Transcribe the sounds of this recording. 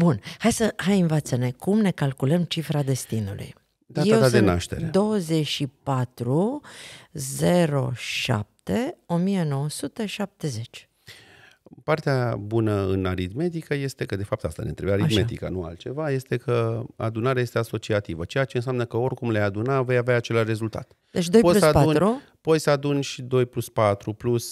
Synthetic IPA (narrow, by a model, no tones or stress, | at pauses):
bunhajsəɦajɨnvat̪səne̞kumne̞kalkuləmt͡ʃifɾad̪e̞st̪inṵlṵj | d̪ajeaad̪enaʃt̪e̞ɾed̪o̞wəze̞ʃipat̪ɾu | ze̞ɾo̞̰ʃa̰p̚t̪e̞o̞mije̞no̞wəsut̪e̞ʃap̚t̪e̞ze̞t͡ʃʲ | part̪eabunəɨnaɾid̪me̞t̪̬ikəje̞st̪e̞kəd̪e̞fap̚t̪ast̪a̰nḛnɾebaɾit̪met̪ika̰nua̰lt̪t͡ʃe̞vaje̞st̪e̞kʰəa̰d̪unaɾeajest̪easo̞t͡ʃiat̪ivət͡ʃe̞at͡ʃe̞ɨns̬ʲamnəkəo̞rkumlejad̪unave̞javeaːt͡ʃe̞laʃre̞zult̪a̰t̪ | d̪et͡ʃdojpolusadpaunɾu | po̞t̪ʲsəad̪unʃid̪o̞jpluspat̪ɾuplus